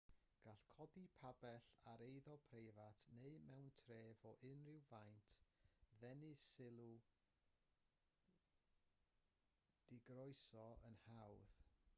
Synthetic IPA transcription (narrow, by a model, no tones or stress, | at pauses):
ɡ̥aɬkʰɔdipʰabɛɬaɾejðɔpʰrejvatʰneɨmɛwntʰreːvɔʔɪnrɪwvajntʰðɛnɨsɪlˠu | d̥ɪɡrɔɨsɔə̰nhawð